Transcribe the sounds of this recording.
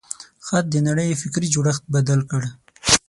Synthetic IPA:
xat̪̚d̪ənaɽəjefɪkɾid͡ʒuɽaxt̪̚bad̪alkəɽ

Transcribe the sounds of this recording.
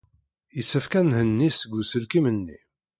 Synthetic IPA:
jəsːəfkænhənːisəɡːusəlkimənːḭ

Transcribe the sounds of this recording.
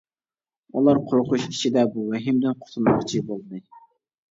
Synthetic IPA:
ulˠɑɾqʰoɾqʰʊʃit͡ʃʰid̪ɛbuwɛɦɪmd̪ɪnqʰʊ̥t̪ʰunmɑqt͡ʃʰibolˠɨd̪ɨ

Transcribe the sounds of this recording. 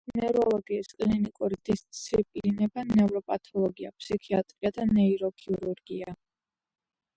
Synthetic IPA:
nɛɾɔlˠɔɡiːskʼlinikʼuɾid̪̥ist̪sssʰipʼlinɛbanɛvɾɔpʼat̪ʰɔlˠɔɡia̰pʼsikʰiat̪ʼɾiad̪anɛiɾɔkʰiuɾuɾɡia

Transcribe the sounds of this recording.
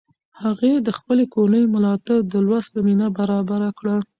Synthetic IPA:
haɣed̪əxpəlekonəjmalɑt̪aɾd̪əlwaszaminabaɾɑbaɾakɽa

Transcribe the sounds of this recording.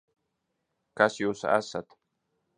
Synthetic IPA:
kasjosa̰ʔasatʰ

